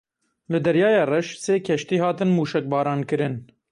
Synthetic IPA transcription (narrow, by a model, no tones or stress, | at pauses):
lɨd̪ɛɾjɑːjɑːrɛʃseːkʰɛʃt̪iːhɑːt̪ɨnmuːʃɛk̚bɑːɾɑːnkɨɾɨn